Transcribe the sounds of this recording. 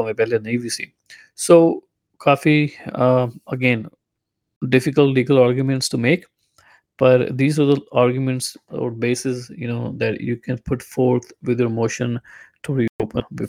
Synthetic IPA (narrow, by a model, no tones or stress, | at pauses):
mepɛlenɐĩbisḭ̃ːm | soː | kʰaːfi | əɡẽːn | ɖɪfɪkəlʈliːɡəlaːɾɡjumɛ̃ɳʈsʈumeːk | b̥ɐʈd̪iːzaɾd̪əaːɾɡjumɛ̃ɳʈsɔ̰ːɾbeːsɪsjṵnoːd̪ɛʈjuːkɛ̃npʰʊʈfoːɾt̪ʰʋɪd̪joːɾmoːʃə̃nʈubioːpə̃bɪ